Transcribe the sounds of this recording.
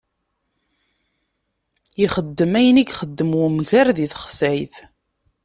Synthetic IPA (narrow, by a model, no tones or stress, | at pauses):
iχəd̪ːəmæjəniɡχəd̪ːəmwumʝæɾðiθχsʕiθ